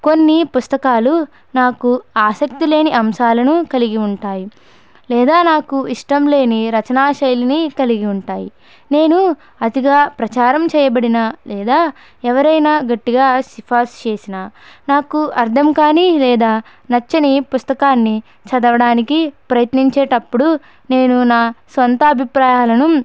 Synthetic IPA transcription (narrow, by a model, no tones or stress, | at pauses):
ko̞nːipust̪ɐkaːlu | naːkuaːsɐk̚t̪ile̞ːniʔɐmʃaːlɐnukɐliɡiuɳʈaːji | lɛːd̪aːnaːkuiʂʈɐmle̞ːniɾɐt͡ʃɐnaːʃɐjlinikɐliɡiuɳʈaːji | ne̞ːnu | ɐt̪iɡaːpɾɐt͡ʃaːɾɐmt͡ʃɛːjɐbɐɽinalɛːd̪aː | ɛʋɐɾɐjnaːɡɐʈːiɡaːʃipʰaːst͡ʃeːsinaːnaːkuʔɐɾd̪ʰʱɐmkaːnilɛːd̪aː | nɐt͡ʃːɐnipust̪ɐkaːnːi | t͡ʃɐd̪ɐʋɐɽaːnikipɾɐjɐt̪niɲt͡ʃeːʈɐpːuɽu | ne̞ːnunaːsʋɐnt̪ɐːbʱipɾaːjaːlɐnu